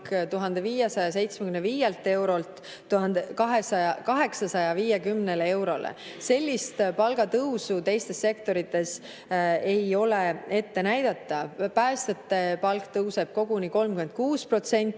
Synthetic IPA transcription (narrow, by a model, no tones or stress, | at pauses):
kt̪uɦɑnd̪̥e̞viːjesɑjɑs̬e̞jt̪smekymnːeviːjelt̪ːˑe̞wɾo̞lt̪ | t̪ːuɦɑnd̪ekɑɦesɑɑkɑɦe̞ksɑsɑjɑviːjekymne̞le̞wɾo̞lḛse̞lʲːist̪pɑlɡ̥ɑt̪ɤwsut̪e̞jst̪e̞sːe̞kt̪o̞ɾit̪ːˑe̞s | e̞jo̞le̞et̪ːe̞næjd̪̥ɑt̪ːˑɑpæːst̪et̪ːˑe̞pɑlkt̪ɤwse̞b̥̚ko̞ɡ̥uniko̞lmkyme̞nd̪̚kuːspro̞t̪se̞nʲt̪ːˑ